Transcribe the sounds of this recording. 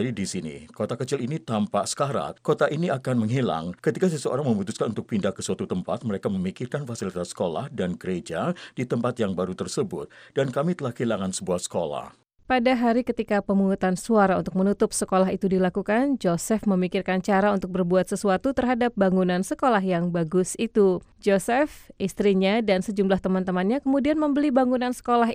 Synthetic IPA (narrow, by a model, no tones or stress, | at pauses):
didisinḭkot̪akət͡ʃɪlinit̪ampasə̥kaɾa̰kot̪aʔiniakanməŋɦila̰ŋkət̪ikas̬əsəo̰ɾaŋməmut̪uskanunt̪ʊk̚pindakːəsuat̪ut̪əmpa̰t̪̚məɾekaməmikɪrkanfasilit̪asːə̥kola̰hdanɡəɾed͡ʒadit̪əmpat̪jaŋbaɾut̪ərsəbʊ̰t̪̚d̥ankamit̪əlahkəilaŋansəbuahsə̥kola̰h | padaɦaɾikət̪ikapəmuŋut̪ansuaɾaunt̪ʊk̚mənut̪ʊp̚səkolaɦit̪udilakukand͡ʒosɛfməmikɪrkant͡ʃaɾaunt̪ʊk̚bərbuat̪̚səsuat̪ut̪ərɦadap̚baŋunansəkolaɦjaŋbaɡʊsit̪ud͡ʒosɛfʔist̪ɾiɲadansəd͡ʒumlaht̪əmant̪əmanɲakəmudianməmbəlibaŋunansə̥kolaɦ